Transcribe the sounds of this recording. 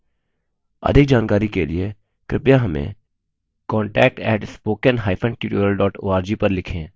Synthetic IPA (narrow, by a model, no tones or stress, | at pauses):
ɐ̰d̪ʱɪk̚d͡ʒaːnkaːɾikelie | kɾɪpjaɦɐmḛ̃ | kɔ̃ːɳʈɛːk̚ʈɛːʈspoːkənɦaːɪfʰə̃ɳɖʈjuːʈoːɾəlɖɔːʈo̰ːaːɾd͡ʒiːpɐɾlɪkʰẽː